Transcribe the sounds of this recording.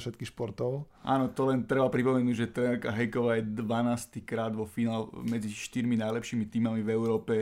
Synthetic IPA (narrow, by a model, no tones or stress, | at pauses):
fʃɛt̪kixʃpɔɾt̪ɔʊ | ʔa̰ːnɔt̪ɔlɛnt̪ɾɛbapɾipɔmɛnuːɟʒɛt̪ɾɛnɛɾkaɦɛjkɔʋaːjɛd̪ʋanaːst̪ikɾaːd̪ʋɔfinaːlmɛd͡ziʃt̪iɾminajlɛpʃiːmit̪iːmamivɛʊɾɔːpɛ